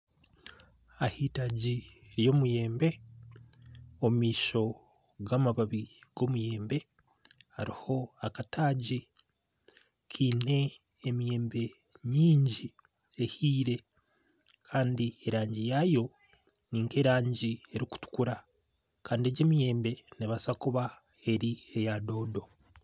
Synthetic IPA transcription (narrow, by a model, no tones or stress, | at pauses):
ahiːtaɟiɾjo̞muje̞ːmbe̞ | ommiːʃo̞ | ɡamaβaβiɡ̥o̞muje̞ːmbe̞ | ha̰ɾiho̞akatʰaːɟi | kʰiːne̞ː | mije̞ːmbe̞ | ɲiːɲɟi | ehiːɾe̞ | kʰaːndieɾaːɲɟijajo̞ | niːŋke̞ɾaːɲɟie̞ɾiku̥tu̥kuɾa | kaːndieɟe̞ːmije̞ːmbe̞neβasakuβa | e̞ɾiejado̞ːdo̞